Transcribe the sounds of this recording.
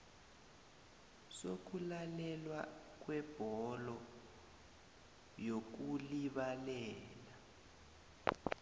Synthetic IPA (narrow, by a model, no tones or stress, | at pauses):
sok̬ulalɛlwak̬wɛb̥ʱɔlɔ | jok̬uliɓalɛɛːla